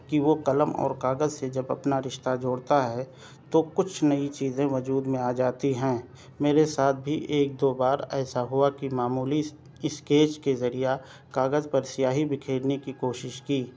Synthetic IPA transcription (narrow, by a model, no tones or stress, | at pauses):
kiʋokɐləmɔ̰ːɾkaːɡəzsed͡ʒɐbɐ̰pnaɾɪʃt̪ad͡ʒoːɽt̪aɦɛ | t̪okʊt͡ʃʰnɐit͡ʃiːzẽʋɐd͡ʒuːd̪mẽaːd͡ʒaːt̪iɦɛ̃ː | meːɾesaːt̪̚ʰbʱiʔeːk̚d̪oːbaːɾɛːsaɦʊakimaːmuːli | ɪskeːt͡ʃkezɐɾija | kaːɡəzpɐɾsɪjaːɦibɪkʰeːɽnekikoːʃɪʃkiː